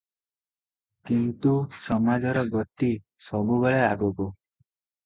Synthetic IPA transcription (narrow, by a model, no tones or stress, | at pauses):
kint̪usɔmad͡ʒɔɾɔɡɔʈi | sɔbuɡɔɭeaɡɔku